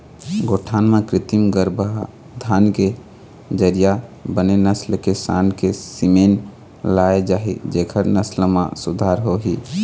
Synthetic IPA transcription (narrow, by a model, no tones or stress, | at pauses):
ɡoʈʰaːnmãkɾɪt̪imɡəɾbəɦ | d̪ʱaːnke | d͡ʒəɾijabənenəslkesa̰nkesimen | laed͡ʒaːɦid͡ʒekʰəɾnəslmã̰sud̪ʱaɾɦoɦi